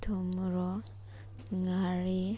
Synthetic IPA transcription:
t̪ʰumɾɔ | ŋaɾi

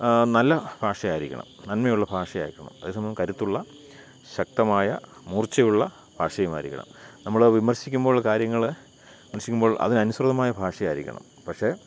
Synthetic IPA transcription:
nɐlːɐbʱaːʂɐjaːjiɾikʲːɐ̰ɳɐ̰mnɐnmejuɭːɐbʱaːʂɐja̰ːɾikʲːɐɳɐ̰mɐðe̞ːs̬ɐmbɐmkɐɾut̪ːuɭːɐ | ɕɐk̚t̪ɐmaːjɐmuːrt͡ɕːɐjuɭːɐ | b̥ʱaːʂɐjɐma̰ːiɾikʲːɐ̰ɳɐ̰mnɐmːɐɭʋimɐrɕikʲːumboːɭːɐkaːɾjɐŋːɐɭ | imɐrɕikʲːumbo̞ːɭʔɐ̰ðinɐnusrɐðɐmaːjɐbʱaːʂɐjaːjɾḭkʲːɐ̰ɳɐ̰m | pɐkʂe̞

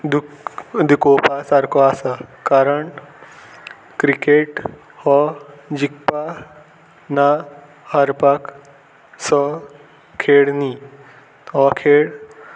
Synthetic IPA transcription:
d̪ud̪ikopasaɾkʰɔasakaɾəɳ | kɾikeʈ | hɔd͡ʑikpa | na | haɾpak | sɔ | kʰeɽni | ɔkʰeɽ

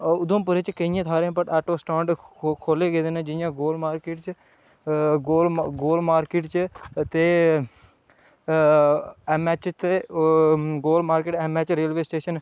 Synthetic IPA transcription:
ʊd̪õːp̬ʊɾet͡ʃkəijãːt̪ʰaːɾẽpəʈɛːʈoːsʈãːɳɖkʰoːleːɡeːd̪eːnẽːd͡ʒɪjãːɡoːlmaːɾkɪːʈt͡ʃ | ɡoːlɡoːlmaːɾkɪʈt͡ʃt̪eː | ɛmɛːt͡ʃt̪eː | ɡoːlmaːɾkeːʈɛːmɛːt͡ʃɾeːlʋeːsʈeːʃən

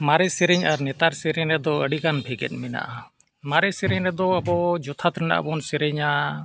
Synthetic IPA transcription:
maɾɛsɛɾɛɲaɾnɛt̪aɾsɛɾɛɲɾɛd̪ɔəɖikanbʱɛɡɛ̰t̪̚ˀmɛna̰ʔa | maɾɛsɛɾɛɲɾɛd̪ɔəbɔd͡ʒɔt̪ʰat̪ɾɛna̰ʔbɔnsɛɾɛɲa

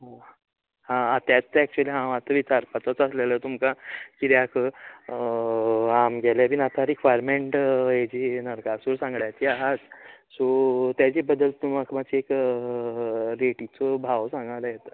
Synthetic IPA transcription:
ɦã | hãːt̪jat͡st͡saɛk̚t͡ɕuəliɦãʋat̪əʋit͡saɾpat͡s̪at͡səslelət̪umkakiɾjakʰə | amɡʱɛlapinat̪ʰaɾekʋajɾmeɳʈjed͡ʑinəɾkasuɾsãŋɡɭajt̪iaɦad͡zsot̪jat͡ɕibəd̪əlt̪ːumakʰmat͡ɕiek | ɾeʈit͡sɔbʱaʋsãŋɡalajet̪a

